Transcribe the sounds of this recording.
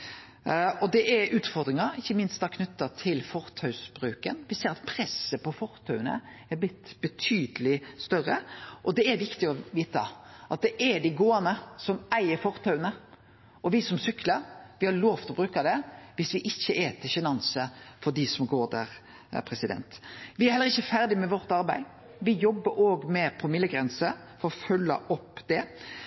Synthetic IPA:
ɔd̪ɛʔɛɾʉːt̪fɔɾd̪ɾɪŋɑɾɪçːəmɪnst̪ɑkʰnʉt̪ːɑt̪ʰɪlfɔɾt̪ʰœʉsbɾʉːkənʋɪseːɾɑt̪pʰɾɛsːəpɔfɔɾt̪ʰœʉənə̰ɛɾblɪt̪ːb̥ət̪ʰyːd̪əlɪst̪œɾəʔɔd̪ɛæɾʋɪkt̪ɪɔʋiːt̪ɑ̰ʔɑt̪̚d̪ɛʔɛɖ̪ɪɡoːɑnəsɔmæɪəɾfɔɾt̪ʰɑʉnə | ɔʋɪsɔmsʏkləɾʋɪhɑɾloːft̪ʰɾɔbɾʉːkɑd̪ɛʋɪsʋɪʔɪçːəʔet̪ʰɪɕɛnɑnsəfɔɖ̪ɪsɔmɡoːɾd̪æːɾ | pʰɾɛsɪd̪ɛ̰nt̪ʋɪæɾhɛlːəɾɪçːəfæɾd̪ɪmɛʋɔɾt̪ɑɾbæɪ | ʋɪjɔbːəɾoːɡmɛpʰɾʊmɪlːəɡɾɛnsə | fɔɾɔfœlːə̰ʔɔpːd̪̥ɛ

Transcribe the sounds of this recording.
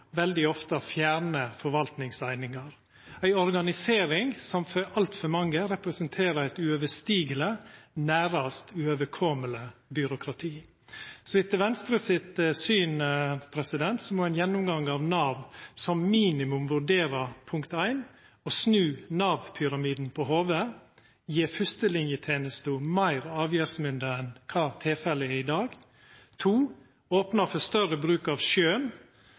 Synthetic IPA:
ʋɛld̪ɪɔft̪əfjæːɾɳəfɔɾʋɑlt̪nɪŋsæɪnɪŋɑɾ | æɪɔɾɡɑnɪseːɾɪŋsɔmfɔɾɑlt̪fɔɾmɑŋːəɾɛpɾɛsənt̪ʰeːɾəæɪt̪ʉøːʋəst̪iːɡələnæːɾɑst̪ʉøʋəɾkʰɔmələbʏɾʊkʰɾɑt̪ʰiː | sɔɪt̪əʋɛnst̪ɾəsɪt̪syːnpʰɾɛsɪd̪ɛnt̪sɔmɔːæɪnjɛnːʊmɡɑŋːɑʋnɑːʋsɔmmiːnɪmʉmʋʉɖeːɾəpʰʊŋkt̪æɪn | osnʉːnɑːʋpʰʏɾɑmiːd̪n̩pʰɔhoːʋə | jiːfʉst̪əlɪnjət̪ʰeːnəst̪umæɪɾɑːʋjæːɾsmʏnd̪əɛnkʰɑːt̪ʰɪlfɛləɪd̪ɑːɡ | t̪ʰuː | oːpnəfɔst̪œɾəbɾʉːkɑʋʃøːn

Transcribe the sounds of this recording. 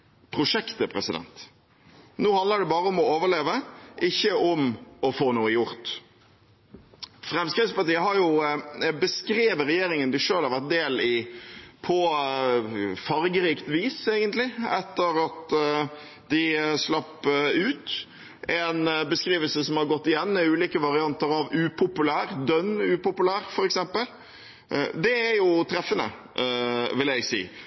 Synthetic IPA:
pʰɾʊʂɛkt̪əpʰɾɛsɪd̪ɛ̰nt̪ | noːhɑnd̪ləɖɛbɑːɾəɔmɔoːʋəɭeːʋəʔɪçːəʔɔmɔfoːnuːəjʊɾt̪ | fɾɛmskɾɪd̪spɑʈiːəɦɑɾjʊbəskɾeːʋəɾɛjeːɾɪŋənd̪ɪʂøːlhɑɾʋæʁt̪̚d̪eːlɪpʰɔ | fɑɾɡəɾiːkt̪ʋiːseːɡənt̪lɪɛt̪ːəɾɑt̪ | d̪ɪslɑpːʉːt̪ | ɛnbəskɾiːʋəlsəsɔmhɑɾɡɔt̪ːɪjɛnːmɛʉːliːkəʋɑɾɪɑnt̪əɾɑʋʉːpʰʊpʉlæːɾd̪œnːʉːpʊpʉlæːɾfɔɾɛksɛmpəl | d̪ɛæɾjʊt̪ʰɾɛfːənə̰ | ʋɪlæɪɡsḭː

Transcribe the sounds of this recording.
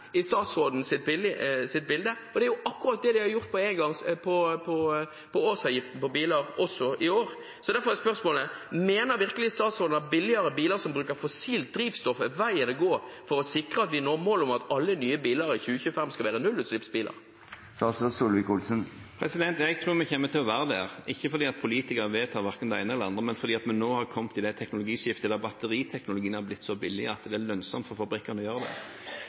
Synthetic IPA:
ɪst̪ɑːt̪sɾoːd̪n̩sɪt̪̚bɪlːɪsɪt̪̚bɪld̪ə | ɔd̪ɛæɾjʊʔɑkːʊɾɑt̪̚d̪ɛd̪ɪhɑɾjʊʁt̪̚pʰɔɛŋɡɑŋpʰɔpʰɔ | pʰɔoːsɑːʋjɪft̪n̩pɔbiːləɾɔsːɔɪoːɾ | sɔd̪æɾfɔɾɛspœɾsmoːləmeːnəɾʋɪʁkəlɪst̪ɑːt̪sʁoːd̪n̩ɑt̪̚bɪlːɪəɾəbiːləɾsɔmbɾʉːkəɾfɔsiːlt̪̚d̪ɾiːʋst̪ɔfəʋæɪənɔɡoːfɔɾɔsɪkɾəɑt̪ʋɪnoːɾmoːlɔmɑt̪ɑlːənyːəbiːlɑɾɪçʉːəçʉːəfɛmskɑʋæːʁənʉlʉːt̪slɪpsbiːlɑ̰ɾ | sɑlsɔsuːlʋɪkʊlsənpʰɾɛsɪd̪ɛnt̪ɛɡt̪ʰʁʉːɾmɛçɛmːət̪ʰɪlɔʋæːʁəd̪æʁʔɪçːəfɔɾd̪iːɑt̪̚pʰʊliːt̪ɪkɑʋeːt̪ʰɑːʋæʁkənd̪ɛæ̰ɪnəɛləɑnd̪ʁəmɛnfɔɾd̪iːɑt̪mɛnːoːhɑɾkʰɔmt̪ʰːɪld̪æɪt̪ʰɛknʊlʊɡiːʃɪft̪əd̪ɛbɑt̪ːəɾiːt̪ʰɛknʊlʊɡiːənhæɾblɪt̪ːsɔbɪlːɪəɑt̪d̪ɛæɾlœnsɔmt̪fɔɾfɑbɾɪkːɑnəɔjøːʁəd̪ɛ̰

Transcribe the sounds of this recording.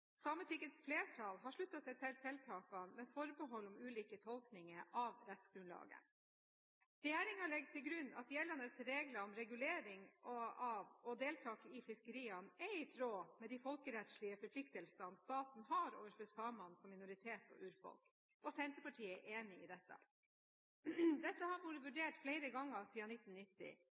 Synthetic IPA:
sɑmət̪ʰɪkːət̪sfleːʈʰɑlɦɑʂɭʉt̪ːɑsɛɪt̪ʰɛlsɛlt̪ʰɑːkɑnmɛfɔɾbəɦɔlːɔmʉːliːkət̪ʰɔlknɪŋəʔɑʋɾɛt̪sɡ̥ɾʉnlɑ̰ːɡə̰ | ɾɛjeːɾɪŋɑɭɛɡt̪ʰɪlɡɾʉnːɑ̰t̪jɛlːɑnəsɾeːɡlɑɔmɾɛɡʉleːɾɪŋɔɑʋɔd̪eːlt̪ʰɑːkɪfɪskəɾiːɑnɛɪt̪ʰɾoːmɛd̪ɪfɔlkəɾɛt̪ʃɭɪəfɔɾpʰlɪk̚t̪əlsɑnst̪ɑːt̪n̩ɦɑɾo̰ːʋəɾfœsɑːmɑnsɔmːɪnʊɾɪt̪ʰeːt̪ɔ̰ʔʉːɾfɔ̰lk | ʔɔsɛɪnt̪əpɑʈʰiːəɛʔeːnɪɪd̪ɛt̪ːɑ̰ | d̪ɛt̪ːəhɑɾmuːɾəʋʉɖeːʈfleɪɾəɡɑŋːəsiːɑnɪt̪ːn̩nɪt̪ːɪ̰

